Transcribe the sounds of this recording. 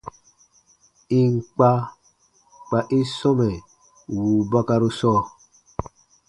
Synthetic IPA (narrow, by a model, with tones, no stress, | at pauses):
i˨ŋ˨k͡pa˦ | k͡pa˨ʔi˦sɔ˦mɛ˨ | wuː˨ba˦ka˦ɾu˦sɔː˦˨